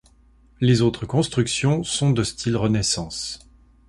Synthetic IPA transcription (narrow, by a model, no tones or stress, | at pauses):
lezot̪χəkɔ̃st̪χyksjɔ̃sɔ̃d̪əst̪ʰilʁənɛsɑ̃s